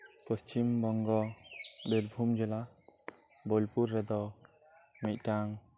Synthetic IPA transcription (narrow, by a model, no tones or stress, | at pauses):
pəst͡ʃimbɔŋɡɔbelbʱumd͡ʒɛla | bɔlpuɾːɛd̪ɔ | mɛc̚taŋ